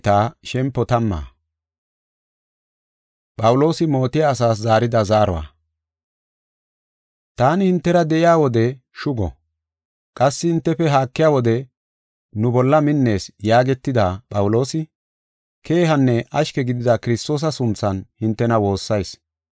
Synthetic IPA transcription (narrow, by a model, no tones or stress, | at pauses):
t̪aːʃɛmpːɔt̪ɐmːa̰ː | pʼɐwlo̞ːsɪmo̞ːt̪ɪjaːsaːs̬zaːɾɪd̪ɐzaːɾɔ̰wa̰ː | t̪aːnɪhɪnt̪ːɛɾɐd̪ɛʔɪjaːwɔd̪ɛ | ʃʊɡɔ̰ | kʼɐsːɪhɪnt̪ːɛfɛɦaːkːɪjaːwɔd̪ɛ | nʊbɔlːɐmɪnːe̞ːsjaːɡɛt̪ːɪd̪apʼɐwʊlo̞ːsɪ | kʰe̞ːɦɐnːɛʔɐʃkɛɡɪd̪ɪd̪ɐkɪɾɪst̪o̞ːs̬ɐsʊnt͡sːɐnhɪnt̪ːɛnɐwo̞ːsːɐjs